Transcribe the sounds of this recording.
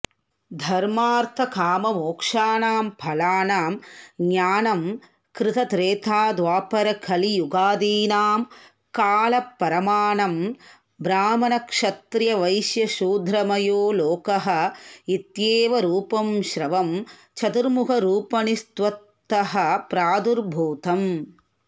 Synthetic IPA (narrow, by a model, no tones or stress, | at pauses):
d̪ʱɐɾmaːɾt̪ʰɐkʰaːmɐmoːkʂaːnaːmpʰɐlaːnaːmɡɲaːnɐm | kɾɪt̪ɐt̪ɾeːt̪ʰaːd̪ʋaːpɐɾɐkʰɐlijuɡaːd̪iːnaːm | kaːlɐpːɐɾɐmaːɳɐm | bɾaːmɐnɐkʂɐt̪ɾjɐʋɐjʃjɐʃuːd̪ʱɾɐmɐjoːloːkɐɦɐ̆it̪jeːʋɐɾuːpɐmʃɾɐʋɐm | t͡ʃʰɐt̪uɾmukɐɾuːpɐnist̪ʋɐt̪ː | ɐɦɐ̆pɾaːd̪uɾbʱuːt̪ɐm